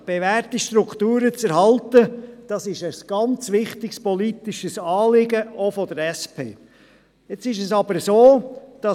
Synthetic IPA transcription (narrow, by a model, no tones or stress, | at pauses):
b̥evæːɾtiʃtɾukχt̪uːɾət͡sɛɾɦɑlt̪əd̥ɑsɪʃəsɡ̥ɑnt͡sʋɪχt̪ɪkspɔlit̪ɪʃəsɑːlɪɡəofɔd̪əɾɛspʰḛː | et͡sɪʃəsɑb̥əɾsoːd̥ɑ